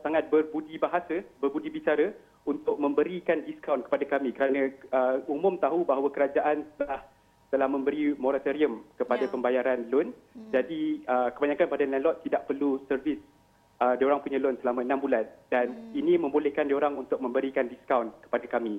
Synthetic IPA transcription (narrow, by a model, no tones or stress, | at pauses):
saŋat̪̚bərbudibaɦasəbərbudibit͡ʃaɾə | unt̪ʊk̚mə̃mbəɾikandiskawnkə̥padakamĩkəɾanə̃əumʊ̃mt̪aɦubaɦawakəɾad͡ʒaʔant̪əlah | t̪əlahmə̃mbəɾimoɾat̪əɾiəmkəpadapəmbajaɾanlʊn | d͡ʒadiəkəbaɲãkanpadalɛlɔt̪ːidaʔpərlusərvis | ədioɾaŋpuɲãlʊnsəlamə̃nãmbulandaninĩmə̃mbolɛhkandioɾaŋunt̪ʊk̚mə̃mbəɾikandiskawnkə̥padakamĩ